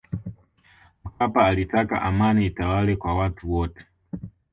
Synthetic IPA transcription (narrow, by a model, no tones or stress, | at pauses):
m̩kapaːlitaka̰ʔamaniːtawalɛkwawatuwɔtɛ̥